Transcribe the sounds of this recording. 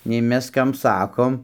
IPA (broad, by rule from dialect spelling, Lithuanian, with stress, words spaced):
nʲɛɪ ˈmʲɛs ˈkɐm ˈsɑːkoːm